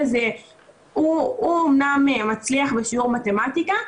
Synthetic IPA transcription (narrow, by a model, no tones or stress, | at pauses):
ze | uuomnamemat͡sliaχbeʃiuʁmate̞matika